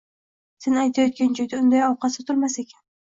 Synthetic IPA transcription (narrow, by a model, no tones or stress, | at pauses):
senajt̪ʰajɒt̪̚kʲand͡ʒɒjd̪aʊnd̪ajɒwqʰɑsɪt̪ʰʊlˠmasekʲʰḁn